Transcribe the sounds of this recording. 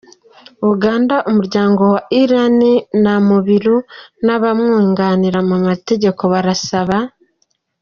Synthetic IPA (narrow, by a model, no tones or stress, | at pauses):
uɡaːndaʔomuɾɟaːŋɡo̞waʔiɾaninamuβiɾunaβamŋiːŋɡaniɾamumate̞ɟe̞ko̞βaɾasaβa